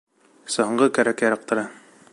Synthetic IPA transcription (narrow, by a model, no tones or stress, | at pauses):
sɤ̆ɦɤ̆ɴʁɤkæɾækjɑɾɑq̚t̪ɤ̆ɾɑ